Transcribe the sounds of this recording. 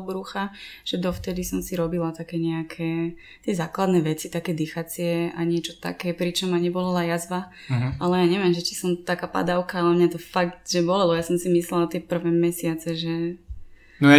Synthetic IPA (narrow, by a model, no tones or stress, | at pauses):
bɾuxaʒ̥ɛd̪ɔft̪ɛd̪isɔmsiɾɔbilat̪akɛːɲɛakʰɛː | t̪ɪɛzaːklad̪nɛʋɛt͡sit̪akɛːd̪ixat͡sɪɛaɲɪɛt͡ʃɔt̪a̰kɛːpɾit͡ʃɔmːaɲɛbɔlalajazba | alɛjaːɲɛʋɪɛmʒɛt͡ʃi̥sɔmt̪akaːpa̰d̪aʊkaalɛmɲat̪ɔfakt̪ʒɛbɔlɛlɔjasɔmsimislɛlat̪ɪɛpr̩ʋɛmɛsɪat͡sɛʒɛ | nɔ